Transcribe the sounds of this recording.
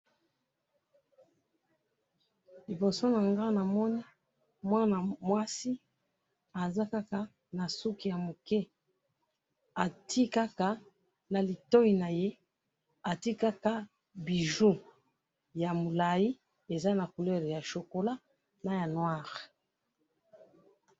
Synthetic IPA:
li˨bo˨so˦na˨ŋɡa˦na˨mɔ˦ni˦ | mwa˦na˨mwa˦si˦ | a˨za˦ka˦ka˨ | na˨su˦ki˨ja˨mo˨kɛ˦ | a˨tʰi˦ka˦ka˨ | na˨li˨to˦ji˨na˨je˦ | a˨ti˦ka˦ka˦ | bi˨ʒu˦ | ja˨mo˨la˨ji˦ | e˨za˦na˨ku˨lɛ˦ʁja˨ʃo˨ko˨la˦ | na˨ja˨nwa˦˨ʁe˨

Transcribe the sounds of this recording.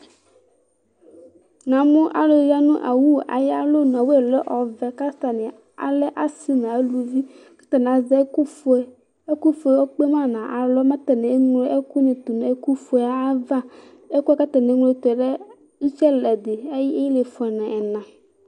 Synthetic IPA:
nã˨mũ˦ʔa˨lo˨˦ja˦nũ˦ʔa̰˨wu˦a̰˨ja˦lo˦nɔ̃˨we˦e˨lɔ˦ʔɔ˨vɛ˨ka˦st̪a˨nĩ˨ | a̰˨lɛ˦ʔa˨si˦mɛ̃˨a˨˦lu˨vi˦ | ka˦t̪a˨n˨a˨˦zɛ˦u˦˨ | e˦ku˦fo˨e˨wɔ˦k͡pe˦mã˦nã˨ʔa˨lɔ˦mã˦t̪a˨nɛ̃˨˦ŋle˦ʔe˦ku˦nẽ˨t̪u˨n˨e˦ku˦fo˨e˨˦a˦va˦ | e˦ku˦ɛ˦ka˦t̪a˨nẽ˨˦ŋ˦le˦t̪ɛ˨ɖɛ˦ | i˦t͡ʃɛ˦lɛ˨d̪e˨e˦ji˦e˦ji˦le˨fɛ˨nɛ̃˨ʔɛ˨nã˨

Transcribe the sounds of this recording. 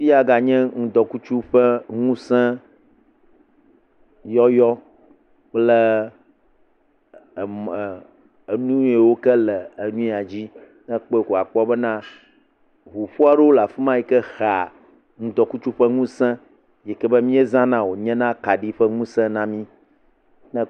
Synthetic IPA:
fi˦a˦ɡa˨ɲɛ̃˦ŋũ˨d̪ɔ˨ku˦t͡ʃu˦ɸɛ˦ŋũ˦sɛ̃˦ | jɔ˦jɔ˦ | k͡plɛ˦˨ | m˨ | e˨nũ˦e˨wo˦kɛ˦lɛ˨e˨nũ˦a˨d͡ʑi˦ | nɛ̃˦k͡pɔ˦e˨ko˨a˨k͡pɔ˦bə˦nã˦ | ɦu˨ɸu˦a˦ɖe˦wo˦la˨fi˦mã˦ji˦kɛ˦xa˨ | ŋũ˦d̪ɔ˨ku˦t͡ʃu˦ɸɛ˦ŋũ˦sɛ̃˦ | jɛ˨kɛ˦bə˦mĩ˦e˦zã˦nã˦wo˨ɲɛ̃˦nã˦ka˨ɖi˦ɸə˦ŋũ˦sɛ̃˦nã˦mĩ˦ | nɛ̃˦

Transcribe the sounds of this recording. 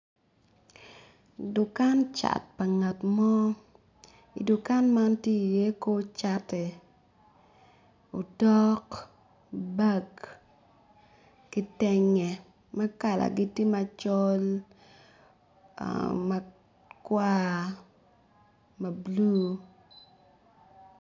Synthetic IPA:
dʊ˨ka˦nt͡ʃa̰˨t̚pa˨ŋa˨tmɔ˦ | ḭ˨dʊ˨ka˦nma˦ntje˦i˨je˦ko˦t͡ʃa˦te˨ | o˨tɔ˦k | ba˦k | kɪ˦tɛ˦ŋɛ˨ | ma˦ka˨la̰˨ɡɪ˦ti˦ma˨t͡ʃɔ˦l | ma˨ | kwa˦ | mɐ˨blu˦

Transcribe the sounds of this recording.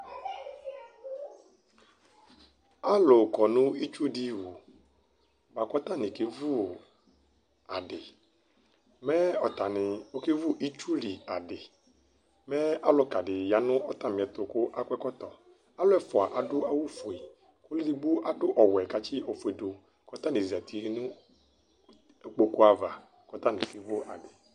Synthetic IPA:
a˦lʊ˨kɔ˨nʊ̃˦i˦t͡ʃu˦di˦wu˨ | ba˨kɔ˦t̪a˦nɪ̃˨ke˦vu˦ | a˨dɪ˨ | mɛ˦ɔ˨t̪a˨nɪ˨o˦ke˦vu˦ʔi˦t͡ʃu˦li˨a˨dɪ˨ | mɛ˦a˦lɔ˦ka˨dɪ˨ja˨nʊ̃˦ɔ˦t̪a˨mɪ̃˨ɛ˨t̪ʊ˨kʊ˦ʔa˦kʷɛ˦kɔ˦t̪ɔ˨ | a˦lʊ˦ɛ˦fʊ˨a˨ʔa˨dʊ˦a˦wu˦fo˨i˨ | kʊ˦lɪ˦dɪ˨ɡ͡bo˦ʔa˨dʊ˦ʔɔ˨wɛ˨ka˨t͡ʃi˦ɔ˨fʊ˨e˨do˨ | kɔ˦t̪a˦nɪ˨zi˨a˨t̪i˨˦nũ˦˨ | k͡po˦kʊ˦a˨va˨ | kɔ˦t̪a˦nɪ̰̃˨ke˦vʊ˦ʔa˨dɪ˨

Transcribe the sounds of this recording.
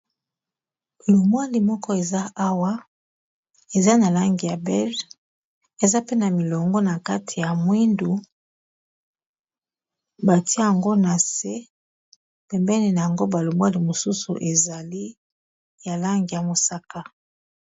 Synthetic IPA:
lo˨mwa˦li˨mɔ˦kɔ˦e˨za˦a˦wa˦ | e˨za˦na˨la˦ŋɡi˨ja˨bɛ˦l | e˨za˦pe˦na˨mi˨lɔ˨ŋɡɔ˦na˨ka˦tʰi˨ja˨mwi˦ndu˨ | ba˨ti˦a˦ja˨ŋɡo˦na˨se˦ | pɛ˨mbɛ˦ni˨na˨ja˨ŋɡo˦ba˨lo˨mwa˦li˨mo˨su˦su˨ʔe˨za˨li˦ | ja˨la˦ŋɡi˨ja˨mo˨sa˦ka˦

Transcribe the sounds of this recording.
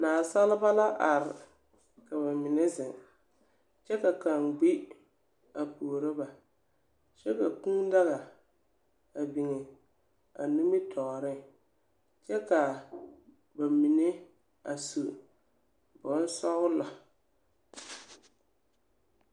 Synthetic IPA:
naː˨sa˦lɪ˦ba˦la˦ʔa˨ɾɪ˨ | ka˨βa˨mɪ˨nɪ˦zɪ˨ŋ | t͡ʃɛ˦ka˨ka˨ŋɡ͡bi˦ | a˨puː˨ɾɪ˦ba˨ | t͡ʃɛ˦ka˨kũ˦da˦ɣa˨ | a˨bi˨ŋɛ˨ | a̰˨nu˦mi˦tʰɔː˨ɾɪ˦ | t͡ʃɛ˦ka˨ | ba˨mi˨ne˦ | a˨su˨ | bʊ˨˦n˦sɔ˦ɣʊ˦la˨

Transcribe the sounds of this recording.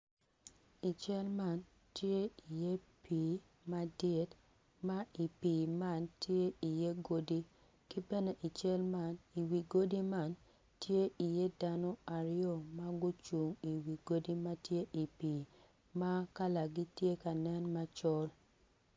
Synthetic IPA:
i˨t͡ʃɛ˦lma˦˨n | tje˦i˨je˦pi˨˦ | ma˦dɪ˨t | ma˦i˨pi˨ma˦˨ntje˦i˨je˦ɡo˦di˦ | kɪ˦bɛ˦ne˦ʔi˨t͡ʃɛ˦lma˨ni˨wi˨ɡo˦di˦ma˦˨n | tje˦ʔi˨je˦da˦nɔ˦a˨ɾɪo˦˨ma˦ɡʊ˦t͡ʃu˨ŋi˨wi˨ɡo˦di˦ma˦tje˦ʔi˨piː˨ | ma˦ka˦la˨ɡi˦tje˦ka˨nɛ˦nma˦t͡ʃɔ˦l

